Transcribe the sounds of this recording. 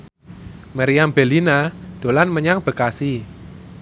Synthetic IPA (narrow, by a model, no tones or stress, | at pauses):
maɾiambelinad̥o̤lanməɲaŋb̥ə̤kasi